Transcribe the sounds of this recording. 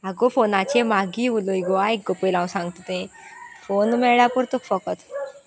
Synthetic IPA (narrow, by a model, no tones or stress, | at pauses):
aɡofonat͡ɕemaɡiːuloiɡoaek̚ɡopelãw̃sãŋɡt̪ut̪ẽfonmɛɭapuɾt̪ukfəkət̪